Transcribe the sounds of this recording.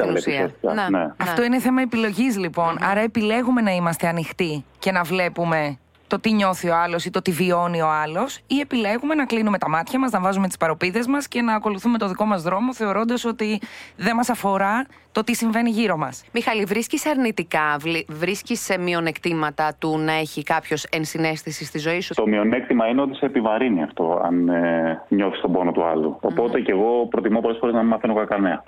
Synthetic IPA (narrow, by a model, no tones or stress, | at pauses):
sinusiɐ̰nen̰ɐfft̪o̞ineθe̞mɐe̞pilo̞ʝizlipo̞nɐ̰ɾɐe̞pile̞ɣume̞nɐimɐst̪e̞ɐnixt̪ice̞nɐvle̞pume̞ | t̪o̞t̪iɲo̞θioɐlo̞sit̪o̞t̪ivio̞nio̞ɐlo̞sie̞pile̞ɣume̞nɐklinume̞t̪ɐmɐt̪çɐmɐznɐvɐzume̞t̪i̥spɐɾo̞piðe̞zmɐsce̞nɐːko̞luθumet̪o̞ðiko̞mɐzðɾo̞mo̞θe̞o̞ɾo̞nd̪ɐso̞t̪iðe̞mɐsɐfo̞ɾɐ | t̪o̞t̪isiɱve̞niʝiɾo̞mɐsmixɐlivɾisciseɐɾnit̪ikɐvlivɾiscisemio̞ne̞kt̪imɐt̪ɐt̪unɐe̞çikɐpço̞se̞nsine̞stθisist̪izo̞isut̪o̞mio̞ne̞k̚t̪imɐine̞o̞t̪i̥se̞ːpivɐɾiniɐft̪o̞̰ɐ̰neɲo̞θi̥st̪o̞bo̞no̞t̪uɐ̰lṵopo̞t̪e̞ce̞ɣo̞pɾo̞t̪imopo̞lesfo̞ɾe̞znɐmimɐfinokɐkɐneɐ